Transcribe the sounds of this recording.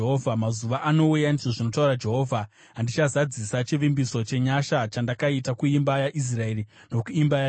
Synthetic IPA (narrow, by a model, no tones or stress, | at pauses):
ɦovʱamazuʋaʔano̞ujandiʐo̞ʐino̞taurad͡ʒe̞ɦo̞ːvʱa | andit͡ʃazad͡zisat͡ʃiʋimbiso̞t͡ʃe̞ɲaʃat͡ʃandakaitakuimbajaʔis̬rae̞ri | no̞kuimbaja